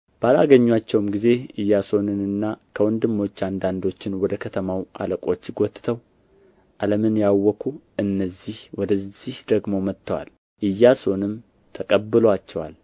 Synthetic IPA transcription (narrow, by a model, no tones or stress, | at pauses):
b̥əalaɡəɲːwat͡ʃːɛwmɡize̞ɨjːaso̞nɨnɨnːakʰəwɔnd̪ɨmːo̞t͡ʃːand̪and̪o̞t͡ʃːɪnwɔd̪əkʰət̪ʰəmawʔa̰ləkʼo̞t͡ʃːɡʷot̪ːɨ̥t̪ʰəw | ʔaləmɨnjawːɔkʰuʔɨnːəzːihwɔd̪əzihd̪̥əɡmo̞mət̪ːəwa̰l | ʔɨjːaso̞nɨm | t̪ʰəkʼəbːɨloat͡ʃːɛwa̰l